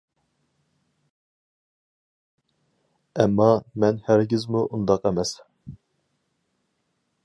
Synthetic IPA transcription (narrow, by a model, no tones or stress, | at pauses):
ɛmːɑmɛnhæɾɡʲizmuʔund̪ɑqɛmɛs